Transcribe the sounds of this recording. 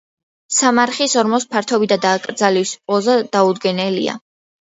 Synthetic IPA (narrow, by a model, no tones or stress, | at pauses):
samaɾχisɔɾmɔspʰaɾt̪ʰɔbid̪ad̪aːkʼɾd̪zalispʼɔzad̪̥aud̪ɡɛnɛlḭa̰